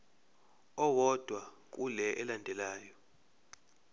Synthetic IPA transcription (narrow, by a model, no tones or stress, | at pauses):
ɔwɔd̥ʱwa | k̬ʼulɛʔɛlandʱɛlaːjɔ